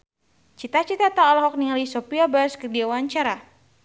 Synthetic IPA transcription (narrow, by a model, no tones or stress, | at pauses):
t͡ʃit̪at͡ʃit̪at̪aɔlɔɦɔk̚niŋalisɔpiabaskərdiawaɲt͡ʃaɾa